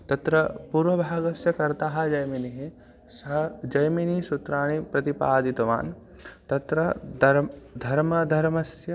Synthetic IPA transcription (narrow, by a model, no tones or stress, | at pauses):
t̪ɐt̪ɾɐpuɾʋɐbʱaːɡɐsjɐkɐɾt̪aːɦɐ̆d͡ʒɐjminiɦi | sɐɦɐd͡ʒɐjminisut̪ɾaːɳipɾɐt̪ipaːd̪it̪ɐʋa̰ːn | t̪ɐt̪ɾɐɾd̪ʱɐɾmɐd̪ʱɐɾmɐsjɐ